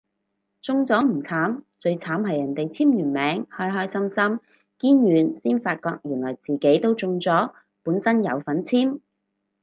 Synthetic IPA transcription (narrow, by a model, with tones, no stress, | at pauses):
t͡sʊ˧ŋt͡sɔː˨˥m̩˨˩t͡sʰaː˨˥mt͡ʃɵ˧ɥt͡sʰaː˨˥mhɐ˨jːɐ˨˩nt̪e˨jt͡sʰiː˥mjyː˨˩nmɛː˨˥ŋhɔː˥jɦɔː˥jsɐ˥msɐ˥m | kiː˥njyː˨nsiː˥nfaː˧t̚kɔː˧k̚jyː˨˩nlɔː˨˩jt͡siː˨˩ke˨˥jt̪o˥wt͡sʊ˧ŋt͡sɔː˨˥ | puː˨˥nsɐ˥njɐ̰˨˧wfɐ˨˥nt͡sʰiː˥m